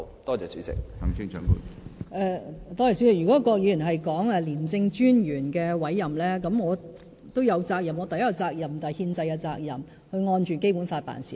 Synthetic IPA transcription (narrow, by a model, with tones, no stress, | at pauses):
t̪ɔː˥t͡sɛː˨t͡sy̰˨˥t͡sɪ̰˨k̚hɐ˨˩ŋsɪ˥ŋt͡ʃœː˨˥ŋkṵː˨˧˩ʔɛ˧t̪ɔː˥t͡sɛː˨˩t͡syː˨˥t͡sɪ˨k̚jyː˨˩kɔː˨˥˧kɔː˧k̚jyː˨˧jnɦɐ˨jkɔː˨˥ŋɛː˧liː˨˩mt͡sɪ˧ŋt͡ʃyː˥njyː˨˩nkɛː˧wɐ˨˥jːɐ˨˩mlɛː˥kɐ˨˥mŋɔː˨˧ | t̪o˥wjɐ˨˧wt͡saː˧k̚jɐ˨˩mɔ˨˧t̪ɐ˨jɐ˥kːɔ˧t͡saː˧k̚jɐ˨˩mt̪aː˨˩jhiː˧nt͡sɐ˧jkɛ˧t͡saː˧k̚jɐ̰˨˩m | hɵ˧ɥŋɔː˧nt͡ʃyː˨˩nke˥jpuː˨˥nfaː˧t̚pa̰ː˨˩nsḭː˨˩